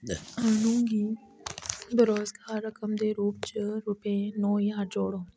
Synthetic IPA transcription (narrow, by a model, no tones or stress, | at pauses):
ənũːŋɡiː | bɪɾoːskɦaɾəkəmd̪eɾuːp̚t͡ʃəɾʊpẽnõːiɦaɾd͡ʒoːɽõː